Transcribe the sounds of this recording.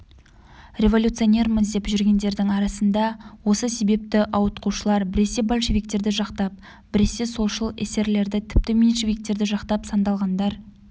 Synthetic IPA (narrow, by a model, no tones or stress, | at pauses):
rʲe̞vo̞lʲut̪sɨone̞ɾməzd̪epʒʏɾɡʲe̞nd̪e̞ɾd̪ɪŋɑɾɑsənd̪ɑwo̞səse̞be̞p̚t̪ɪʔɑwət̪quʃəlˠɑɾbɪɾe̞se̞bolʲʃevʲik̚t̪e̞ɾd̪ɪʒɑqt̪ɑp̚ | bɪɾe̞se̞so̞lˠʃəlˠḛse̞ɾle̞ɾd̪ɪt̪ʰɪ̥p̚t̪ɪmenʃevʲik̚t̪e̞ɾd̪ɪʒɑqt̪ɑpsɑnd̪ɑlˠʁɑnd̪ɑɾ